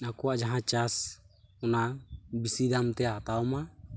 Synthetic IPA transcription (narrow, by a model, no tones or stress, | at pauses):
nakuad͡ʒaɦat͡ʃas | unabisidamt̪eat̪auma